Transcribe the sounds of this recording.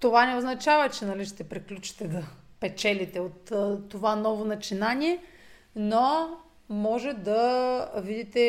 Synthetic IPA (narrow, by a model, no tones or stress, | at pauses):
t̪ovanɛoznɐt͡ʃavɐt͡ʃɛnɐliʃt̪ɛpɾiklʲut͡ʃi̥t̪ɛd̪ɐpɛt͡ʃɛlit̪ɛot̪ːovanɔvonɐt͡ʃinanʲiɛ | no | mɔʒɛd̪ɐvid̪it̪ɛ